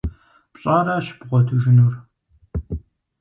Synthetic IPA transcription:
pɕʼaːɾaːɕbʁʷɔtʰuʒɪnur

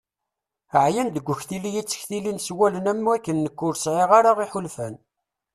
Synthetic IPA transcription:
əʕjænd̪əɡʷːʊçθilːijit͡sːə̥çθilinswælənæmːuækːənːəkːʊɾsʕeʁaɾaʁiħʊlfæn

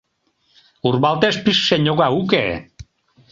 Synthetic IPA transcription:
urβalˠt̪espiʃseɲoɣauke

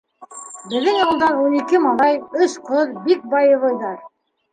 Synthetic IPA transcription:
bɘ̆ðɘŋɑlˠd̪ɑɾunikɘmɑlˠɑjɵʃqʰoðbik̚bɑjɤ̆βˠɤjd̪ɑɾ

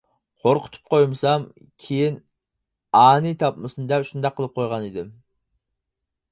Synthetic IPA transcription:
qʰoɾqʰʊ̥t̪ʰʊ̥p̚qʰojmɨsɑm | kʲʰejin | ɑːnɨt̪ʰɑpmɨsɨnɨd̪ɛpʃund̪ɑqʰːəlˠɨp̚qʰojʁɑnid̪ɪm

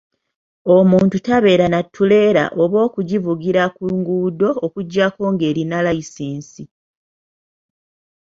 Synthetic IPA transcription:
omuːntutaβe̞ːɾanatʰːule̞ːɾa̰ʔoβo̞ːkuɟivuɡiɾakuŋɡuːdo̞ːkuɟːako̞ŋɡe̞ːɾinalajisiːnsi

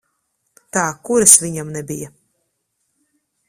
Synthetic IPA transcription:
t̪aːkuɾasvʲiɲamnɛbija

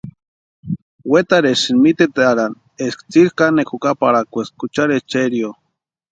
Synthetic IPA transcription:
wet̪aɾesɨnmit̪et̪eaɾan | eskt͡siɾkanekʰukapaɾakʷeskut͡ʃaɾest͡ʃeɾjo

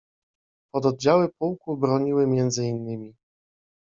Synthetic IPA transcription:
pɔd̪ɔd̪̚d͡ʑawɘpuwkubɾɔɲiwɘmʲjɛnd̪zɘinːɘmʲi

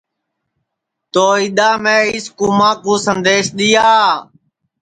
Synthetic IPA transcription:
t̪oːɦiːɗ̪aːmẽːiːskuːmãːkũːsənd̪eːʃɗ̪ɪjaː

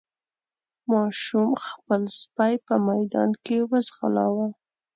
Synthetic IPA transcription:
mɑʃumxpəlspajpəmajd̪ɑ̰nkewəzɣalɑ̰wa

